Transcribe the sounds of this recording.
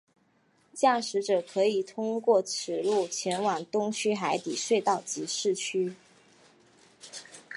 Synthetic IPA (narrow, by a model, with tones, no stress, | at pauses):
t͡ɕja˥˩ʂɻ̩˧˥ʈ͡ʂɤ˨˩kʰɤ˧˥i˨˩t̪ʰʊ˥ŋkwɔ˥˩ʈ͡ʂʰɻ̩˨˩lu˥˩t͡ɕʰjɛ˧˥nwa˨˩ŋt̪ʊ˥ŋt͡ɕʰy˥xa˧˥ɪt̪i˨˩ʂwe˥˧ɪt̪ɑ˥˩ʊt͡ɕi˧˥ʂɻ̩˥˩t͡ɕʰy˥